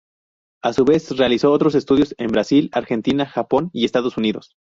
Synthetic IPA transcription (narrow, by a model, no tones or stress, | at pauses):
asuβe̞sre̞aliso̞ot̪ɾo̞s̬e̞st̪uðjo̞se̞mbɾasilaɾxe̞nt̪inaxapo̞nie̞st̪að̞o̞suniðo̞̰s